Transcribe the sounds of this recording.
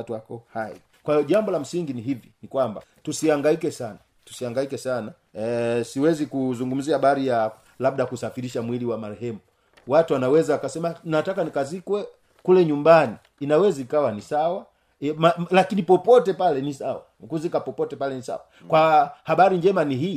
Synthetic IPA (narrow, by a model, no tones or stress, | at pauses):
tuwakɔhaḭ | kwaijɔʄambɔlam̩siŋɡiniɦivjinikwamba̰ | tusiaŋɡaikɛsana | tu̥siaŋɡaikɛsana | siwɛzikuzuŋɡum̩ziahaɓaɾija | lab̚ɗakusafiɾiʃamwiliwamaɾɛɦɛmu | watuwanawɛzaakasɛmanatakanikazikwɛ | kulɛɲumbaniːnawɛzaikawanisawa | mlakinipɔpɔtɛpalɛnisawa̰kuzikapɔpɔtɛpalɛnisa̰wa | kwahaɓaɾiɲd͡ʒɛmaniɦiː